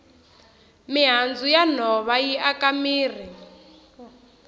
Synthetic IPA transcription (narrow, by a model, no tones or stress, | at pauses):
miɦand͡zujan̤ɔβajiʔakamiːr̤i